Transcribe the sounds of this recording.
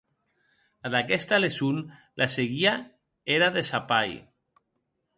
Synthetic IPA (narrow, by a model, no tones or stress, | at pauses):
aðakɛst̪alesun | lʔaseɣia | eɾaðesapaj